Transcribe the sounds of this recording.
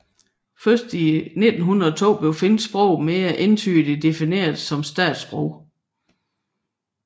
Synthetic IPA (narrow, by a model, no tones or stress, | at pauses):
fɶsd̥ine̝d̥n̩ɦunðɐɒt͡sʰo̝̰ːb̥le̝ʊfe̝nd̥sb̥ʁɔʊ̰meːɐʔe̝nt͡sʰy̰ːd̥id̥e̝fine̝̰ːɐðˠsɒ̽msd̥ɛ̰ːd̥sb̥ʁoʊ̰